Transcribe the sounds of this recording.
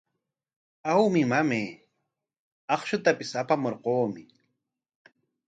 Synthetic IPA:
awmɪmameː | ɑχʃʊt̪apɪsapamoɾqoːmɪ

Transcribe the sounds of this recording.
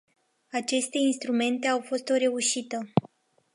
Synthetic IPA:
at͡ʃe̞st̪e̞inst̪ɾume̞nt̪e̞awfo̞st̪o̞ɾe̞uʃit̪ə

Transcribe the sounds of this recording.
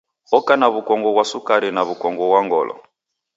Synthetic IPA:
ɔkanaβukɔŋɡɔβwasukaɾinaβukɔŋɡɔβwaŋɡɔ̰lʔɔ̰

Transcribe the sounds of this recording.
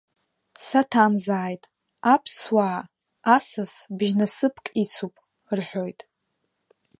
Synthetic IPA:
satʰamzaːjtʼ | apʰswaː | asasbʒnasɨpʰkʼit͡sʰupʼ | rħʷᶣo̞jtʼ

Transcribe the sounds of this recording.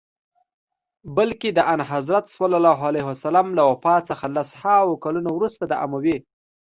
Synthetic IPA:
bəlked̪əʔanɦazɾat̪swalɑlɑɦalaɦasalamlawapɑt͡səxalashawokalunowɾust̪ad̪əʔa̰mawe

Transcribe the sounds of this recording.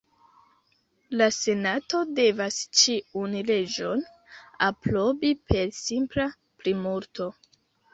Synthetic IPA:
lase̞nato̞de̞vast͡ʃiunle̞d͡ʒo̞n | apɾo̞bipʰe̞ɾsimpla | plimuɾtʰo̞

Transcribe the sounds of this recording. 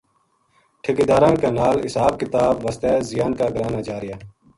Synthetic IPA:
ʈʰɪkiːd̪aːɾãːnkaːnaːlɪsaːb̚kɪt̪aːbʋəst̪ɛːzɪjaːnkaːɡəɾaːnaːt͡ʃaːɾɪjaː

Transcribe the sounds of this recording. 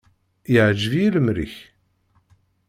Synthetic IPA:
jəʕd͡ʒvijiləmɾḭç

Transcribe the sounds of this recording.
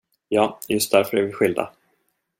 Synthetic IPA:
jɑːjɵst̪̚d̪æɾfœɾæɾvɪɧɪld̪a̰

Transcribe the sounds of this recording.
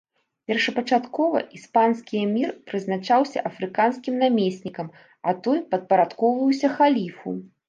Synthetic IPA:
pʲɛrʂɐpɐt͡ʂat̪kɔvɐ̰ʔispanskʲijɐmʲirpɾɨznat͡ʂawsʲɐ̰ʔɐfɾɨkanskʲimnamʲesʲnʲikɐm | ɐt̪ɔjpɐt̪̚pɐɾat̪kɔwvɐwsʲɐxalʲifṵ

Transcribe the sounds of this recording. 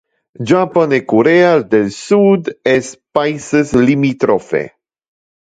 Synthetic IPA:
d͡ʒapanekoɾeald̪elsud̪espajsəslimit̪ɾofḛ

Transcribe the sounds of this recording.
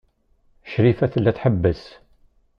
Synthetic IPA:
ʃɾifæθəlːæθħəbːəs

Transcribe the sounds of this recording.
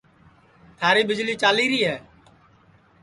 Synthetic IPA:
t̪ʰaːɾiːɓɪd͡ʒliːt͡ʃaːliːɾiːɦɛː

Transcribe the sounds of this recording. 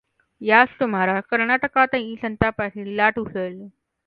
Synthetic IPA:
jasʈ̪um̤aɾakəɾɳaʈəkat̪ãiːsənt̪apaʈilaʈusəl

